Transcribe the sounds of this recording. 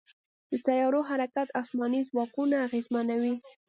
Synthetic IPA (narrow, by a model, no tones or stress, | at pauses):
d̪əsajɑɾoɦaɾakat̪ɑsmɑnizwɑkunaːɣezmanawi